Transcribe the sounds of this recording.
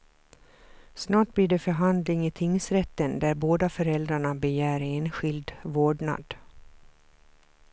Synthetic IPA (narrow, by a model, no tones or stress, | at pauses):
snɑːʈ̚blɪɖɛfœɾɦand̪lɪŋɪt̪ʰɪŋsɾɛt̪ːənd̪æɾboːd̪afœɾɛld̪ɾaɳabɛjæːɾeːnɧɪld̪voːɖɳa̰d̪